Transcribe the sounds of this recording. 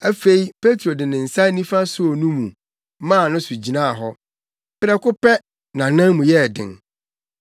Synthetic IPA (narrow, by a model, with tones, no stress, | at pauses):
æ˦fe˦i˦pʰe˦tʰɾo˨dɪ̃˨nɪ̃˨n̩˨sa˦nĩ˦fa˦sʊ˦o˨nũ˦mṵ̃˨˦ | mã˦˨nʊ̃˦sʊ˨d͡ʑi˨nã˦˨ɦɔ˦ | pɪ˦ɾɛ˦kʊ˦pɛ˦ | nã˨nã˦mũ˨jɛ˦˨dɪ̰̃˨n